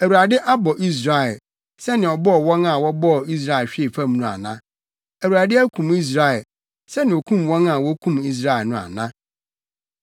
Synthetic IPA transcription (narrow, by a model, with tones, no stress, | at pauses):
æ˨wu˨ɾa˨dɪ˦ʔa˦bɔ˨ʔi˦s̬ɾa˨ɛ˨ | sɛ˦nɪ̃˨ɔ˨bɔ˦ɔ˨wɔ̃˦na˨wɔ˦bɔ˦˨i˦s̬ɾa˦˨ɛ˨ɕᶣɪ˦e˨fã˦mnũ˦a̰˨nã˦ | æ˨wu˨ɾa˨dɪ˦æ˦kʰũ˨mi˦s̬ɾa˦˨ɛ˨l | sɛ˦nɪ̃˨ɔ˨kʰũ˦mwɔ̃˦na˨wɔ˦kʰũ˦mi˦s̬ɾa˦ɛ˨lnʊ̃˦˨a̰˨nã̰˦